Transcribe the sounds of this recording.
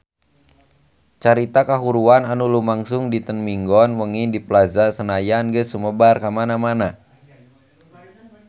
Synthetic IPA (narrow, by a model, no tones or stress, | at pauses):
t͡ʃaɾit̪akaɦuɾuananulumaŋsʊŋdit̪ənmiŋɡɔnwəŋindiplazasənajanɡəsuməbarkamanamana